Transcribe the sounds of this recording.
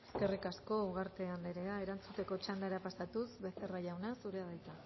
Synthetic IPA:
eske̞rikasko̞uɣaɾt̪e̞anleɾe̞ae̞ɾant͡sut̪e̞ko̞t͡ʃand̪aɾapasat̪usbe̞se̞raʝawnasuɾe̞að̞ajt͡sa

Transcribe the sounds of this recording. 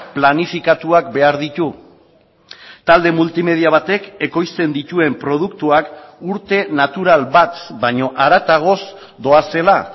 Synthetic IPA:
planifikat̪uakbe̞aɾðit̪u | t̪ald̪e̞mult̪ime̞ð̞iaβ̞at̪e̞ke̞ko̞jst̪e̞nd̪it̪ue̞mpɾo̞ð̞ukt̪uakuɾt̪e̞nat̪uɾalβat̪baɲo̞ʔaɾat̪aɣ̞o̞s | d̪o̞ase̞la

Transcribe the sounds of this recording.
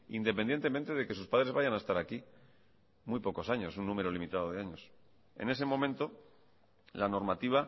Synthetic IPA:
ḭnd̪epend̪je̞nt̪ement̪e̞ðe̞ke̞s̬uspaðɾe̞zβaʝanaest̪aɾaki | mwujpo̞ko̞saɲo̞sunːũme̞ɾo̞limit̪að̞o̞ð̞eaɲos | e̞̰ne̞se̞mõ̞mẽnt̪o̞ | lano̞ɾmat̪iβ̞a

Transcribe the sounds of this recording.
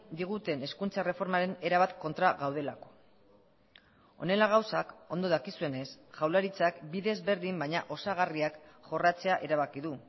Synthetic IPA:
d̪iɣ̞ut̪e̞ne̞skunt͡sare̞fo̞ɾmaɾe̞ne̞ɾaβat̪ko̞nt̪ɾaɣawð̞e̞lako̞̥ | o̞̰ne̞laɣ̞awsako̞nd̪o̞ðakisue̞ne̞sʝawlaɾit͡sakbiðezβe̞ɾðimbajɲaʔo̞saɣariakʝo̞rat͡se̞aʔe̞ɾaβakiðu

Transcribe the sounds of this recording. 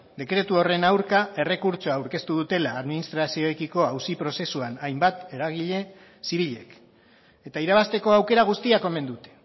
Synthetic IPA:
d̪e̞kɾe̞t̪uo̞re̞nawɾkae̞re̞kuɾt͡ʃoaawɾke̞st̪uðut̪e̞laːðminist̪ɾasio̞ekiko̞awsipɾo̞se̞suanajmbat̪e̞ɾaɣ̞iʎe̞ | siβ̞iʎe̞̰k | et̪aiɾaβast̪e̞ko̞awke̞ɾaɣ̞ust̪iako̞me̞nd̪ut̪e̞̥

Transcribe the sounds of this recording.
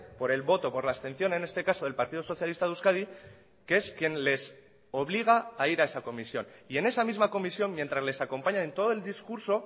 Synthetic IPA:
po̞ɾe̞lβo̞t̪o̞po̞ɾlaest̪e̞nθjo̞ne̞ne̞st̪e̞kaso̞ð̞e̞lpaɾt̪iðoso̞θjalist̪aðuskað̞i | keeskje̞nle̞s | o̞β̞liɣ̞aːiɾae̞sako̞misjo̞nie̞ne̞samizmako̞misjo̞mmːje̞nt̪ɾazle̞sako̞mpaɲãẽnt̪oðoe̞ld̪iskuɾso̞

